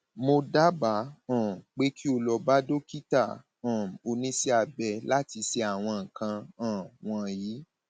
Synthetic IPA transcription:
mo˧da˦ba˨˦ã˦˨k͡pe˦ki˦o˧lɔ˧ba˦do˦ki˦ta˦˨ | ã˨o˧nĩ˦si˦a˧bɛ˧la˦ti˧se˧a˨w̃ɔ̃˧ŋ̩˨kã˧ã˨w̃ɔ̃˧jiː˨˦

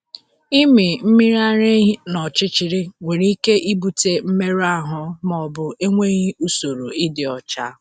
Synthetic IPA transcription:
i˦mi˨m̩˦mi˦ɾa˦ɾe˦ɦi˦nɔ˨t͡ʃɪ˦t͡ʃi˨ɾi˦ŋe˨ɾi˦i˦ke˦ʔi˦bu˨te˦m̩˦me˦ɾa˦ɦʊ˨mɔ˨bʊ˦e˦ŋʷe˦ɣi˦u˦so˨ɾo˨ɪ˦dɪ˨ɔ˨t͡ʃa˦

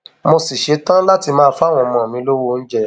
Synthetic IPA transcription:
mo˧si˨ʃe˨˦tã˦la˦ti˧mãː˦˧˦fa˦˨w̃ɔ̃˧mɔ̃˨mĩ˧˦lo˦wo˧n̩˦d͡ʒɛ˦˨

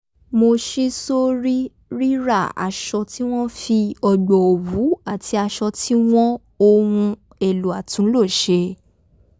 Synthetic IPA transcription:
mo˧ʃi˦so˦ɾi˦ | ɾi˦ɾa˦˨a̰˨ʃɔ˧ti˦w̃ɔ̃˦fi˧ɔ˧ɡ͡bɔ˨o˨wu˨˦a˦˨tʰi˧a˧ʃɔ˧tʰi˦w̃ɔ̃˦ | o˧wũ˧ | e˨lu˨a˨tũ˨˦lo˦˨ʃe˧

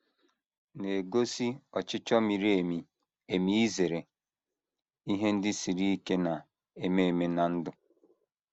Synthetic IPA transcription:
ne˨ɡo˦si˦ɔ˨t͡ʃɪ˦t͡ʃɔ˦mi˨ɾe˨mi˨ | e˨mi˦i˦ze˨ɾe˨ | i˦ɦe˦n̩˦dɪ˦si˨ɾi˦i˦ke˦na˨ | e˨me˦e˨me˨na˨n̩˦dʊ˦

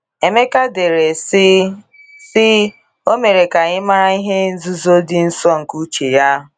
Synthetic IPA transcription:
e˨me˦ka˦de˨ɾe˨˦ | sɪ˦ | o˦me˨ɾe˨ka˨ɲɪ˦ma˦ɾa˦i˦ɦe˦n̩˦zu˦zo˦dɪ˨n̩˦sɔ˦ŋ̩˨ku˦t͡ʃe˨ja˦ɦ

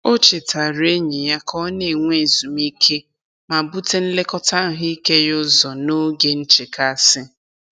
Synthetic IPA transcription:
o˦t͡ʃe˨ta˨ɾe˦ɲi˨ja˦kʰɔ˦ne˨ŋʷe˦˨zu˨mi˦kʰe˦ | ma˨bu˦te˦n̩˦le˦kɔ˦ta˦˨ɦi˦ke˦jʊ˦zɔ˨no˦ɡe˦n̩˦t͡ʃe˨ka˦˨sɪ˦

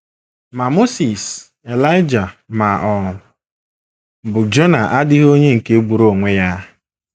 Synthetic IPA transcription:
ma˨mo˦si˨s | e˨la˦ɪ˦d͡ʒa˨ma˨ʔɔ˨lʊ˨ | bʊ˨d͡ʒo˦na˨ʔa˦dɪ˦ɦo˦ɲe˦ŋ̩˨ke˦ɡ͡bu˨ɾo˨ŋʷe˦ja˦

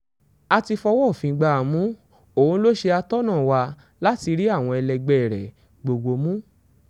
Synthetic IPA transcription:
a˧ti˧fɔ˧wɔ˦˨fĩ˨˧ɡ͡ba˧˨mũ˦ | oː˨˦n̩˦lo˦ʃe˧a˧tɔ˦nãː˦˨wa˧ | la˦ti˧ɾi˦a˦˨w̃ɔ̃˧ɛ˧lɛ˧ɡ͡bɛ˨ɾɛ̰˨ | ɡ͡bo˨ɡ͡bo˧mũ˦

